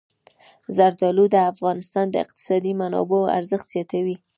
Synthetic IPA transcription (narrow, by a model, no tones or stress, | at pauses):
zaɾd̪ɑlud̪əafɣɑnɪst̪ɑnd̪əɪ̰q̚t̪ɪ̥sɑd̪imanɑ̰boa̰ɾzəxt̪z̥jɑt̪awi